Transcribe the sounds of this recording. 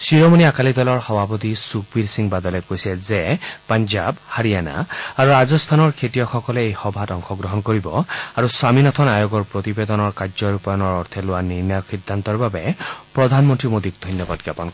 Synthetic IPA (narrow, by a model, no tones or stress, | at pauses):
sɹiɹomoniakalid̪ɔlɔɹxɔbʱapɔt̪isuk̚biɹsiŋbad̪ɔlɛkojsɛzɛpanzabhaɹijana̰aɹuɹazɔst̪ʰanɔɹkʰetijɔxɔkɔlɛejxɔbʱatɔŋxɔɡɹɔɦɔnkoɹibɔaɹuswaminɔt̪ʰɔnajoɡɔɹpɹɔt̪ibed̪ɔnɔɹkaɹzɔɹupɔjɔnɔɹɔɹt̪ʰɛlʊwaniɹnajɔkxid̪ʱːant̪ɔɹbabɛpɹɔd̪ʱanmɔntɹimod̪ik̚d̪ʱɔjnjɔbad̚ɡjapɔn